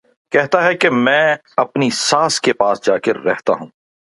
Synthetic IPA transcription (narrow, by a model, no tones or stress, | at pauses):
kɛɦt̪aɦɛkemɛ̃ː | ɐpnisaːskepaːsd͡ʒaːkeɾːɛɦt̪a̰ɦũː